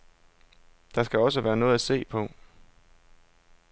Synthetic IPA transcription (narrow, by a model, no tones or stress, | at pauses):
d̥ɑ̈sɡ̥æɒ̽s̬əʋæːɐnɔ̽ːð̞̩ˠæse̝̰ːpʰɒ̽